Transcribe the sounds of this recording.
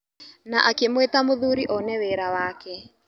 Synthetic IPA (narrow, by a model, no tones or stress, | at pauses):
naʔakemwetamoðuɾiʔɔnɛweɾawaːkɛ